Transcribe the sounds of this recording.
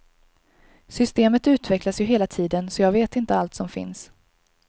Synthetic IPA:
sʏst̪eːmət̪ʉ̟ːt̪vɛklasjɵɦeːlat̪ʰiːd̪ənsɔjɑːɡveːt̪ɪnt̪əalt̪sɔmfɪ̰ns

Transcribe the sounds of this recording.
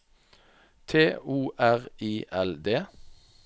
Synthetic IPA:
t̪ʰeːuːʔæʁiːʔɛld̪eː

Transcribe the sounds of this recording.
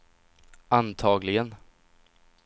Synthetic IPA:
ant̪ʰɑːɡlɪɡən

